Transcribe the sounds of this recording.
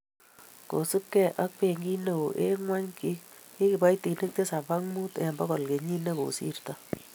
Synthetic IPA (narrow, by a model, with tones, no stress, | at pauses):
ko˨su˦pkɛ˦ʔa˦k̚pe˨ŋɡi˦ne˦˨o˨ʔe˦ŋwa˦ɲki˦k | ki˦kɪ˨ba˦jti˨ni˦k̚te˦sa˨ba˦ŋmu˦tɛ̰˨mbɔ˦ɣɔ˨lke˨ɲi˦ne˦ko̰˨sḭ˦rta˦